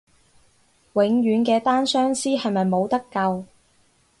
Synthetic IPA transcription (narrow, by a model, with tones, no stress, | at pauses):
wɪ˨˥ŋɥyː˨˧nkɛː˧t̪aː˥nsœː˥ŋsiː˥hɐ˨jmɐ˨jmo˨˧wt̪ɐ˥kːɐ˧w